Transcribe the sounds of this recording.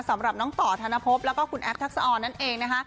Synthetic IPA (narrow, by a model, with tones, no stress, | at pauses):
sa˩˦mɾa˨˩p̚nɔː˦˥ŋt̪ɔː˨˩t̪ʰaː˧na˦˧˩pʰo˦˥p̚lɛː˦˥wkɔː˥kʰu˧nʔɛ˦˥p̚t̪ʰːa˦˥k̚sa˧ʔɔː˧nːa˦˥nʔeː˧ŋna˦˥kʰa˦˥